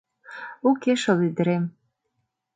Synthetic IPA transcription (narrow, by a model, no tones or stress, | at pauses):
ukeʃɤ̆lyd̪ə̆ɾem